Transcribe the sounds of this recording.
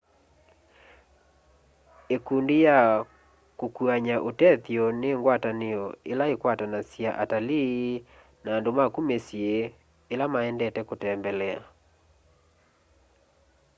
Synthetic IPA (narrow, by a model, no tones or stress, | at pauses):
ekundeja | kokuaɲaʔotɛθjɔneŋɡwataneɔelaekwatanasiaʔatali | nandomakumesie | elamaɛndɛtɛkotɛmbɛlɛa̰